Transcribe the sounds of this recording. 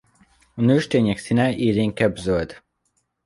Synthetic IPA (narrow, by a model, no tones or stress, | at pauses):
ɒnøːʃt̪eːɲɛksinɛʔiːɾeːŋkɛbzølt̪